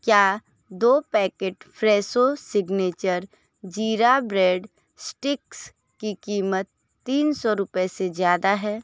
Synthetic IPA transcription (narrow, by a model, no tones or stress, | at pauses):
kjaː | d̪oːpɛːkeːʈpʰɾɛːsosɪɡneːt͡ʃəɾ | d͡ʒiːɾabɾeːɖ | sʈɪks | kikiːmət̪ː | iːnsɔɾʊpɛsezjaːd̪aɦɛː